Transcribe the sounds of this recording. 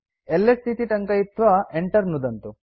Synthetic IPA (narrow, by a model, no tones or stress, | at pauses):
elːest̪ʰit̪iʈɐŋkɐjit̪ːʋɐeɳʈɐɾnud̪ɐnt̪u